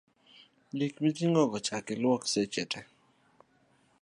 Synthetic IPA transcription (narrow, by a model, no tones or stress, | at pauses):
likmit̪iŋɡɔɡɔt͡ʃakɪlwɔksɛt͡ʃɛtʰɛ